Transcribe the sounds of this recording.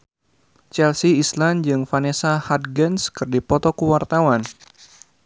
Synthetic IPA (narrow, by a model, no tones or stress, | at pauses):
t͡ʃɛlsiːsland͡ʒɨŋfanesahat̪̚ɡɛnskɨrdipɔt̪ɔkuwart̪awan